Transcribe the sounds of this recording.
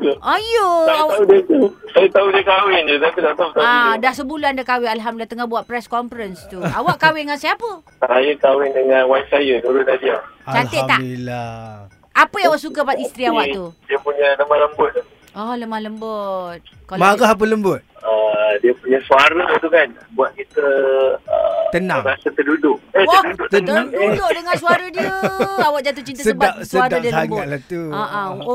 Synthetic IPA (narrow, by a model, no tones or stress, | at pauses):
ajoaaaudiət̪usajt̪audiəkawɪnd͡ʒut̪at̪idaʔt̪aut̪auadasəbuluandakawɪnalɦamdilat̪əŋahbuaʔ̪̚pɾɛskɔmfɾənst̪uawaʔkawɪnŋansajapəsaajəkawɪndəŋãnwainsajənuɾʊnadiat͡ʃat̪ət̪ːala | ʔapəjãwaʔsukapat̪ist̪ɾiawaʔt̪udiəpuɲələmahləmbʊt̪̚ː | ɔhləmahləmbət̪̚ | kamaɡaɦap̬ələmbʊt̪̚ədiəpuɲasuaɾət̪ukan | buat̪̚t͡ʃit̪əə̰t̪ənãŋɾasət̪ədudʊʔəəduʊʔt̪əd̪ədoʔdəŋãnsuaɾədiəəawaʔ̚d͡ʒat̪̬ʊʔt͡ʃint̪asəsdbaʔsəaɾadaŋaʔlat̪uaʔã